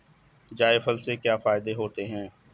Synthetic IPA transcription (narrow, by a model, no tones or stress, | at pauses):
d͡ʒaːɪfəlsekjaːfaːɪd̪eɦoːt̪eɦɛ̃ː